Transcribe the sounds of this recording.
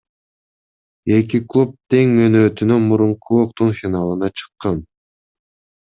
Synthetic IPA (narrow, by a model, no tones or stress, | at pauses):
e̞kiklˠup̚t̪e̞ŋønøːt̪ynymuɾuɴquok̚t̪unfʲinalˠɯnɑt͡ʃʰɯ̥qːɑn